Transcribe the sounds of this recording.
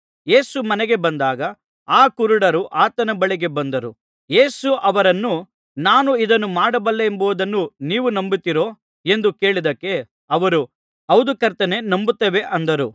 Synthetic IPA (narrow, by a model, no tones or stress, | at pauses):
je̞ːsumɐnɛɡe̞bɐnd̪aːɡɐ | aːkuɾuɽɐɾuʔaːt̪ɐnɐbɐɭiɡe̞bɐnd̪ɐɾu | je̞ːsuʔɐʋɐɾɐnːu | naːnuid̪ɐnːumaːɽɐbɐlːeːmboːd̪ɐnːuniːʋunɐmbit̪ːiɾo̞ | e̞nd̪uke̞ːɭid̪ɐkːe̞ | ɐʋɐɾu | ɐwd̪ukɐɾt̪ɐne̞nɐmbut̪ːɐʋe̞ʔɐnd̪ɐɾu